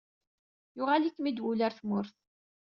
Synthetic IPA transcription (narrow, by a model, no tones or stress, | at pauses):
jʊʁalikːmid̪wulaɾθmʊɾθ